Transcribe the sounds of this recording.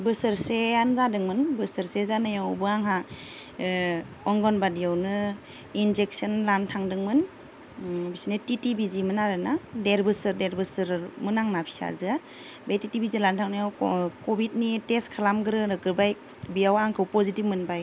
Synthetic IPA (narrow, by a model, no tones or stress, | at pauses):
bɯsɯɾseanzadɯŋmɯnbɯsɯɾsezanajawbɯaŋɦa | ɔŋɡɔnbadijawnɯ | inzek̚sɯnlantʰaŋdɯŋmɯn | bisinititibizimɯnaɾɯnadeɾbɯsɯɾdeɾbɯsɯɾmɯnaŋnapʰi̥sa̰zɯa | betitibizilantʰaŋnajawkɔbit̚niteskʰalamɡɯɾɯɾɯɡɯɾbaj | bijawaŋkʰɯwpɔzitip̚mɯnbaj